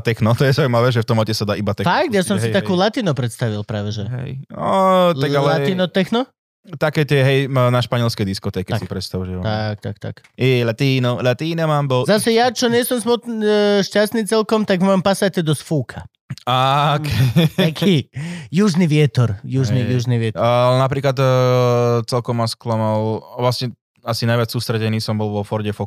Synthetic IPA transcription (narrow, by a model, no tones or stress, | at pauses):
t̪ɛxnɔt̪ɔjɛzaʊimaʋɛːʒɛft̪ɔmɔcɛsad̪aːʔibat̪ɛfak̚t̪jasɔmsit̪akuːlat̪iːnupɾɛt̪st̪aʋilpɾaːʋɛʒɛɦɛ̰jɔt̪aɡalɛat̪iːnɔt̪ɛxnɔ | t̪akɛːt̪ɪɛɦɛjnaʃpaɲɪɛlskɛd̪iskɔt̪ɛkɛsipɾɛt̪st̪auʒɛɔt̪ak̚t̪a̰kt̪a̰kɛlat̪iːnɔlat̪iːnɛmaːmbɔzasɛjat͡ʃɔɲɪɛsɔmsmɔt̪ʃcast̪niːt͡sɛlkɔmt̪aɡmampasat̪ɛd̪ɔsfuːkʰa | akɛakʰijuʒniʋɪɛt̪ɔɾjuʒnijuʒniʋɪɛlɛnapɾiːklat̪ | t͡sɛlkɔmːasklamalʋlasɲɛ | asinajʋɪat͡ssuːst̪ɾɛɟɛniːsɔmbɔlʋɔfɔɾɟɛfɔ